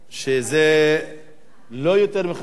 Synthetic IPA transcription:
ʃeze | lojot̪eʁmeχ

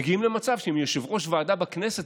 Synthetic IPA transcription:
ɡiimle̞mat͡savʃeemjoʃevʁo̞ʃvaːdabakneset

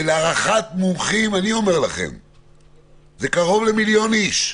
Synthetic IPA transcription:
leaʁaχat̪mumχimanio̞me̞ʁlaχḛm | zekaʁo̞vle̞miljo̞niʃ

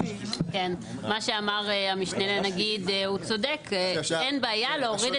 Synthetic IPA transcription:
ken | maʃeamaʁeamiʃnelenaɡid̪eut͡so̞dekːenbeajaleoʁid

